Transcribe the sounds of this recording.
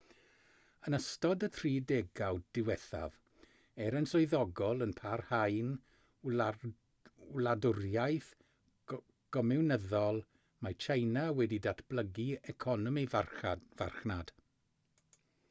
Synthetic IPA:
ənəstɔdətʰriːdeɡawd̥ɪwɛθa̰v | ɛɾənsɔɨðɔɡɔlˠənpʰarhajn | ladʊrjajθ | ɡ̥ɔmɛwnəðɔlˠ | majt͡ʃʰajnawɛdidatʰb̥lˠəɡiɛkʰɔnɔmiva̰rχnad̥

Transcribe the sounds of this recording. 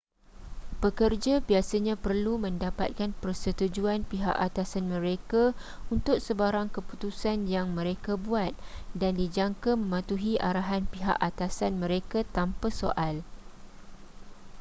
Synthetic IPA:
b̥əkərd͡ʒabiasaɲãpərlumə̃ndapa̰t̪̚kanpərsət̪ud͡ʒuanpiɦa̰ʔat̪asanmə̃ɾekaunt̪ʊk̚səbaɾaŋkəput̪usanjaŋmə̃ɾekabuat̪̚dandid͡ʒaŋkamə̃mãt̪uɦiʔaɾaɦanpiɦa̰ʔat̪asanmə̃ɾekat̪ampasoʔal

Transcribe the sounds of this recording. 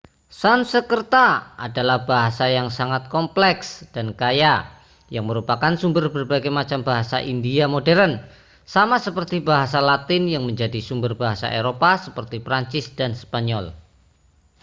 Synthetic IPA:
sansəkərt̪aa̰dalahbaɦasajaŋsaŋat̪̚kɔmplɛksd̥ankaja | jaŋməɾupakansumbərbərbaɡajmat͡ʃambaɦasa̰ʔindiamodɛɾən | samasəpərt̪ibaɦasalat̪ɪnjaŋməɲd͡ʒadisumbərbaɦasa̰ʔeɾopasəpərt̪ipɾaɲt͡ʃɪsd̥anspaɲɔl

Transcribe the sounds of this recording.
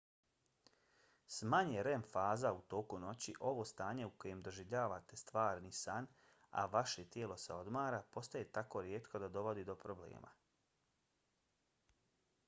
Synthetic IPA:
smaɲeɾenfaːzaut̪o̞ːkuno̞t͡ɕiʔo̞ʋo̞ːst̪aːɲe̞uko̞je̞md̪o̞ʒiʋʎaːʋat̪e̞st̪ʋaːɾnisan | a̰ʋaʃe̞t̪jeːlo̞sḛo̞d̪maːɾapo̞st̪ajet̪ako̞ɾjeːt̪kʰo̞d̪ad̪o̞ʋo̞d̪id̪o̞pɾo̞blḛːma̰

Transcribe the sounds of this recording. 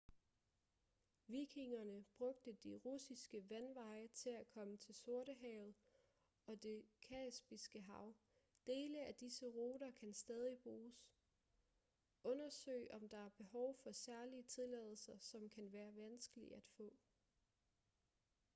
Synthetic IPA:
ʋiːkʰiŋɐnəb̥ʁɔ̽ɡ̥̚d̥əd̥iʁusisɡ̥əʋænʋɑ̈ɪət͡sʰe̝lækʰɒ̽mət͡sʰe̝lso̝ɐɾəɦɛːʊð̩ˠ | ɒ̽d̥e̝kʰɛsb̥isɡ̥əɦɑ̈ʊ | d̥e̝ːləæd̥isəʁo̝ːɾɐkʰænsd̥ɛːð̞ˠib̥ʁuːs | ʔɔ̽nɐsø̰ɪʔɒ̽md̥ɑ̈æɐb̥e̝ɦɒʊfɒ̽sæɐliət͡sʰe̝lɛ̰ːð̞ˠl̩sɐsɒ̽mkʰænʋæːɐʋænsɡ̥əlḭæd̥fɔ̰̽ː

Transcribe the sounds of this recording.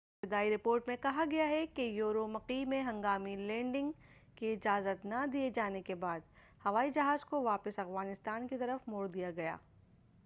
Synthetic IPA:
ɪt̪ɪd̪aːiɾɪpoːɾʈmẽkɐɦaɡɐjaɦɛkejoːɾomɐqimẽɦɐ̃ŋɡaːmilɛ̃ːɳɖɪ̃ŋɡkiɪd͡ʒaːzət̪nɐd̪ied͡ʒaːnekebaːd̪ | hɐʋaːid͡ʒɐɦaːzkoʋaːpəsɐfɣaːnɪst̪aːnkit̪ɐɾəfmoːɾd̪ijaɡɐja̰ː

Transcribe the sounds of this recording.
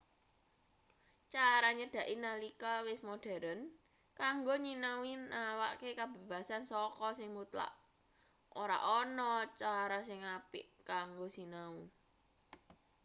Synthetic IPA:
t͡ʃaɾaɲəd̥ä̤ʔinalikawɪsmoɖ̥ɛ̤ɾən | kaŋɡoɲinawinawa̰ʔkekab̥e̤b̥ä̤sansɔkɔsɪŋmut̪la̰ʔ | ʔoɾa̰ʔɔnɔt͡ʃaɾas̬ɪŋapɪʔkaŋɡosinau

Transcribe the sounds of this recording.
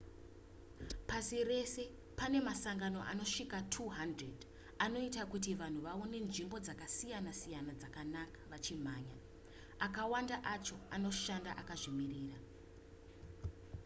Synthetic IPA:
pasire̞se̞ | pane̞masaŋɡano̞ʔano̞ʂikatʰuɦandred | ano̞itakutiʋan̤uʋaone̞nʐimbo̞d͡zakasijanasijanad͡zakanakḁʋat͡ʃim̤aːɲa | akawandaʔat͡ʃo̞ano̞ʃanda̰ʔakaʐimiriːra

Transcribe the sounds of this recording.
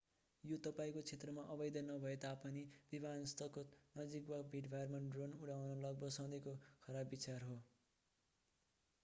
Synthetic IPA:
jot̪ʌpaĩkot͡sʰet̪rʌmaʔʌbʌjd̪ʌnʌbʱʌet̪apʌnib̥ibʱanʌst̪ʰʌkonʌd͡zikbabʱiʈbʱajrmaɖronuɽawnʌlʌɡ̚bʌsaw̃d̪ekokʰʌɾabːit͡sarɦo

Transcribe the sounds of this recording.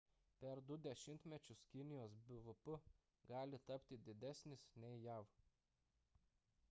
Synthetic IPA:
pʲɛɾd̪ʊd̪ʲɛʃʲɪmʲt̪ʲmʲɛt͡ʃʲʊskʲɪnʲɪjoːsbʲʊʋʊpʊ | ɡɑːlʲɪt̪ɐpʲt̪ʲɪd̪ʲɪd̪ʲæsʲnʲɪsnʲɛɪjæˑʋ

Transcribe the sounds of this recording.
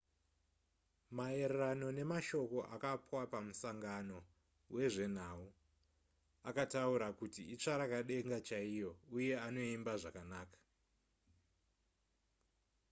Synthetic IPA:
mae̞ɾerano̞ne̞maʃo̞ko̞ʔa̰kapwapamusaŋɡano̞ | wʔe̞ʐe̞n̤au | akatauɾakutiit͡ʂaɾakaɗe̞ŋɡat͡ʃaijo̞uje̞ano̞imbaʐakanaːkḁ

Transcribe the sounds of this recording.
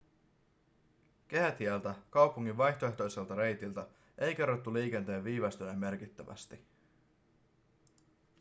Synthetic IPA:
k̟eɦæt̪iælt̪ækɑwpuŋːiʋʋɑjçt̪oe̞ht̪o̞jse̞lt̪ɑɾe̞jt̪ilt̪æ | e̞jk̟e̞rːot̪ːuliːk̟e̞nt̪e̞ːʋʋiːʋɑst̪ynemːe̞rk̟it̪ːæʋæ̰st̪i

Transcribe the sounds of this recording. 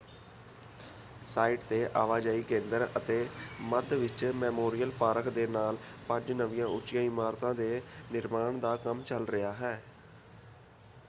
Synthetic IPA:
saːiːʈt̪eːʔa̰ːʋaːd͡ʒaːiːkẽːnd̪əɾət̪eːməd̪ʋɪt͡ʃmɛːmoːɾijəlpaːɾəkʰd̪eːnaːlpə̃ɲd͡ʒnəʋĩjãːʊt͡ʃɪjãːɪmaːɾt̪ãːd̪eːnɪɾmaːɳd̪aːkəmt͡ʃəlɾɪjaːɦɛː

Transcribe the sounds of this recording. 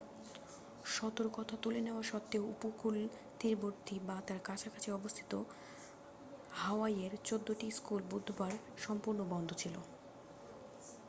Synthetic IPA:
ʃɔt̪oɾokɔt̪ʰat̪uleneoaɾʃɔt̪ːeoupokul | t̪iɾboɾt̪ʰibat̪aɾkat͡ɕʰakat͡ɕʰeɔbost̪ʰi̥t̪o | haoaieɾt͡ɕod̪ːoʈiskulbud̪ʱːobaɾ | ʃɔmpuɾnobɔnd̪ʱot͡ɕʰilo̰

